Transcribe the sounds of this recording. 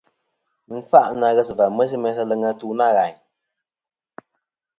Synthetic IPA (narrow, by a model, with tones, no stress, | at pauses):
ŋ̩˦fa˦ʔna˨ɣɛ˦sɨ˨va˨mɛ˦s̬i˦mɛ˨˦sa˦lɛ˧ŋa˧tu˦na˦˨ɣa˨ɲ